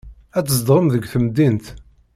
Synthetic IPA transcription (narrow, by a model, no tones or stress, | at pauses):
æt͡sːəzd̪ʁəmðəɡθəmd̪ːint̪